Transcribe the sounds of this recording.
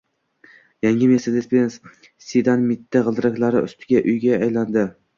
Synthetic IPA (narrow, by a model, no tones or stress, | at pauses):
jaŋʲɪmesad̪espens | sid̪anmɪt̪ʰːaʁɨlˠd̪ɪɾakʲlaɾɪʊ̰st̪ʰɪɡʲaʔʊjɡʲaːjland̪ɪ